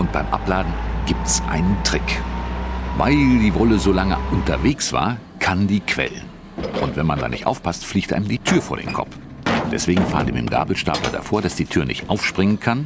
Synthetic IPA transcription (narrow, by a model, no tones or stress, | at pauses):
ʔʊnt̚b̥aɪmʔa̰plaːdn̩ɡ̥iːp̚tɛsʔa̰ɪnəntʁ̥ɪk | va̰ɪldiːvɔləzoːlaŋə̰ʔʊntɐveːksv̥a̰ːɐ | kʰandiːkʰv̥ɛ̰lən | ʔʊntv̥ɛnmanda̰ːnɪ̰çtʔa̰ʊfpʰastfliːçtʔaɪnəmdiːtʰyːɐfoːɐɾḛːnkʰɔ̰pp͡f | d̥ɛsv̥eːɡŋ̩faːəndḭːmɪ̰mɡa̰ːbl̩ʃta̰ːplɐ̰da̰foːɐɾasd̥iːtʰyːɐnɪçtʔaʊfʃpʁ̥ɪŋənkʰan